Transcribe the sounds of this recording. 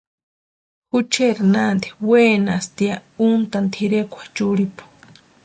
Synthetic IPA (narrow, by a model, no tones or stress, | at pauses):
hut͡ʃeɾnand̪i̥weːnast̪iaunt̪ant̪ʰiɾekʷʰḁt͡ʃuɾipu̥